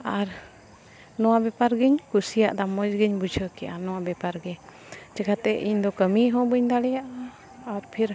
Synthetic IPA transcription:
aɾ | nɔwabɛpaɾɡiɲkusijaʔd̪amɔd͡ʒɡiɲbud͡ʒʱəkɛja̰nɔwabɛpaɾɡɛ | t͡ʃɛkat̪ɛiɲd̪ɔkəmiɦɔ̃bəɲd̪aɽɛjaʔaː | ɾpʰiɾ

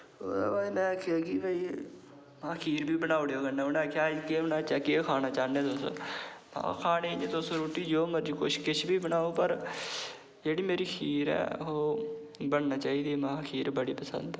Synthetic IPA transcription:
o̰aimɛ̃ːakʰjaːkibəiː | maːkʰiːɾbiːbənaːoɽeoːɡənːaːonːkʰjaːkebənaːt͡ʃaːkekʰaːnaːt͡ʃaːnẽːt̪ʊso̰ːmã̰kʰaːneẽt̪ʊsoɾuːʈiːd͡ʒoːməɾd͡ʒiːkʊʃkɪʃʰbiːbənaːoːpəɾ | d͡ʒeːɽiːmeːɾiːkʰiːɾɛ̰ːoː | bəɳnaːt͡ʃaːiːd̪iːmãːkʰiːɾbəɽiːpəsə̰̃nd̪

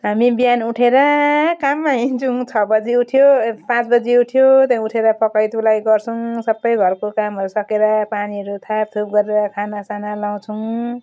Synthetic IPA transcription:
ɦamibijanuʈʰeɾʌkamːaɦĩnd͡zuŋt͡sʰʌbʌd͡ziuʈʰjopãt͡sbʌd͡ziuʈʰjot̪jãuʈʰeɾʌpʰʌkʌjt̪ulajɡʌrt͡sʰʌw̃sʌbːʌjɡʱʌrkokamɦʌɾusʌkeɾʌpaniɦʌɾut̪ʰap̚t̪ʰup̚ɡʌɾeɾʌkʰanasanalaw̃t͡sʰʌw̃

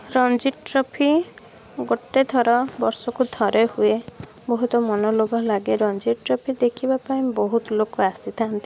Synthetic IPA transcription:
ɾɔnd͡ʒiɾʈɾɔpʰi | ɡoʈːed̪ʰʱɔɾɔbɔɾsɔkud̪ʱɔɾehue | bɔɦut̪ɔmɔnɔlobʱalaɡeɾɔnd͡ʒiɾʈɾɔpʰid̪ekʰibapaĩbɔɦut̪ɔlokɔasit̪ʰant̪i

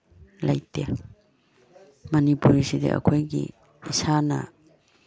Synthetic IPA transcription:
lajte | mɐnipuɾisidḛʔɐ̰kʰojɡḭ | isanɐ̰

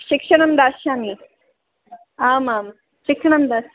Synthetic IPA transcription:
ɕikʂɐɳɐmd̪asɕami | amam | ɕikʂɐɳɐmd̪as

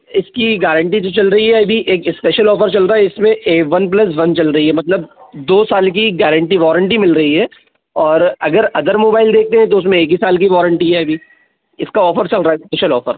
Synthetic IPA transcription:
ɪskiɡɛːɾə̃ɳʈid͡ʒ̪ot͡ʃɐlɾɐɦiɦɛɐbʱiʔeːkɪspɛːʃəlɔːfəɾt͡ʃɐlɾaːɦɛɪsmẽeːʋɐnp̬lɐs̬ʋɐnt͡ʃɐlɾɐɦiɦɛmɐt̪ləbd̪oːsaːlk̬iɡɛːɾə̃ɳʈiʋɔːɾə̃ɳʈimɪlɾɐɦiɦɛː | ɔːɾɐɡəɾɐd̪əɾmoːbaːɪld̪eːk̚t̪eɦɛ̃t̪̬oʊs̬mẽeːk̬isaːlkiʋɔːɾə̃ɳʈiɦɛɐbʱi | ɪskaɔːfəɾt͡ʃɐlɾaːɦɛspɛːʃəlɔːfəɾ

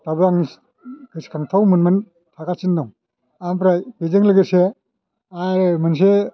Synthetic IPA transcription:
tabɯaŋis | kɯskʰaŋtʰawmɯnman | tʰakasindaŋ | ampʰɾajbezɯŋlɯɡɯɾse | aɾmɯns̬e

